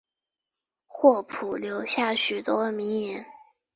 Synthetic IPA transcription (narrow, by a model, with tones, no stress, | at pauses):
xwɔ˥˩pʰu˨˩ljo˧˥ʊɕja˥˩ɕy˨˩t̪wɔ˥˧mi˧˥ŋi˧˥n